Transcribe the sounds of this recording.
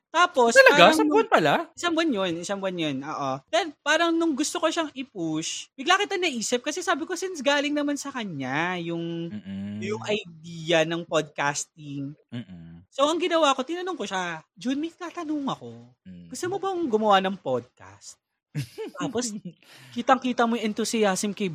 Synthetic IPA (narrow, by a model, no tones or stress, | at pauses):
t̪aːpo̞sɐlɐaɡaaanpɐlaʔɪsaŋwɐnjonɪsɐŋwɐnjonʔo̰ːʔod̪ɛnpaːɾɐŋnʊŋɡʊst̪okoʃɐŋɪpuʃmɪɡlaːkɪt̪ɐnɐʔiːsɪp̚kɐsɛsaːbɪko̞sɪnsɡaːlɪŋnɐmansɐkɐɲːajʊŋ | jʊŋʔɐjd̪iːjɐnɐŋpod̪̚kaːst̪̚ɪŋː | soʔɐŋɡɪnɐwako̞t̪ɪnɐnoŋkoʃad͡ʒonmɐt̪aːt̪ɐnoŋɐko̞ | ɡ̥ʊst̪ɐmobɐʊŋɡʊmɐwanɐŋpod̪̚ka̰st̪̚ | t̪aːposkiːt̪ɐŋkiːt̪ɐmojʔɛnt̪ʊsɪjasmkɐj